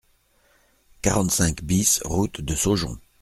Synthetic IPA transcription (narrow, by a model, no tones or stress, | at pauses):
kaʁɑ̃t̪sɛ̃kbisʁut̪d̪əsoʒɔ̰̃